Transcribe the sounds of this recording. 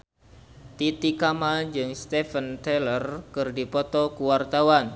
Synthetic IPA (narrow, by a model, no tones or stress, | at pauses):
t̪it̪ikamad͡ʒɨŋst̪efənt̪ɛlərkɨrdipɔt̪ɔkuwart̪awan